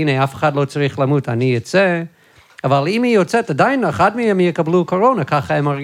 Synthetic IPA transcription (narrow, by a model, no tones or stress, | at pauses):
ineafe̥χadlot͡saʁiχlamutanijot͡se | avalimijot͡sɛtadajneχadmehɛmjɛkablukoʁonakaχaɛmaʁɡ